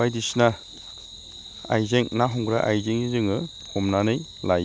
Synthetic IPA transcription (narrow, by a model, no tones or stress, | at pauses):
ajdisna | a̰jzeŋnaɦɔŋɡɾaʔajzeŋizɯŋɯ | hɔmnanɯjlaj